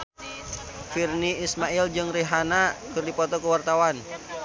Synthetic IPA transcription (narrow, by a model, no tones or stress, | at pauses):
firniːsmaild͡ʒɨŋriɦanakɨrdipɔt̪ɔkəwart̪awan